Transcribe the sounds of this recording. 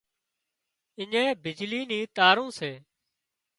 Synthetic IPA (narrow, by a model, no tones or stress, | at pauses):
ɪɲẽːbɪd͡ʒliːniːt̪aːɾũːseː